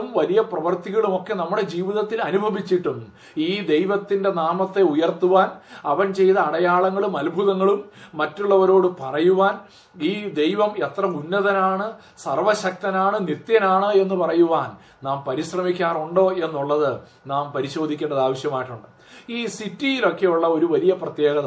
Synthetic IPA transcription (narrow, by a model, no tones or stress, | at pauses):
mʋɐlijɐprɐʋɐrt̪iɣɐɭumo̞kːe̞nɐmːuɽe̞d͡ʑiːʋiðɐt̪ːilɐnubʱɐʋit͡ɕːiʈːumː | iːd̪e̞jʋɐt̪ːinde̞naːmɐt̪ːe̞ujɐrt̪uʋaːnɐʋɐnt͡ɕe̞jt̪ɐːɽɐjaːɭɐŋːɐɭumɐlbʱuðɐŋːɐɭumːɐtːuɭːɐʋɐɾo̞ːɽɨpɐrɐjuʋaːn | iːd̪e̞jʋɐme̞t̪rɐunːɐðɐnaːɳɨ | sɐrʋɐɕɐk̚t̪ɐnaːɳɨnit̪jɐnaːɳɨe̞nːupɐrɐjuʋaːn | naːmpɐɾiɕrɐmikʲːaːruɳɖo̞ːe̞nːuɭːɐðɨ | naːmpɐɾiɕo̞ːd̪ʱikʲːeɳɖɐðaːʋɐɕjɐmaːjiʈːuɳɖɨ | iːsitːijilo̞kːe̞juɭːɐo̞ɾuʋɐlijɐprɐt̪je̞ːɡɐðɐ